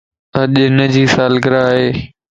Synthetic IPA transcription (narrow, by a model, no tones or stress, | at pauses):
əʄnəd͡ʑiːsaːlɡəɾaːɦeː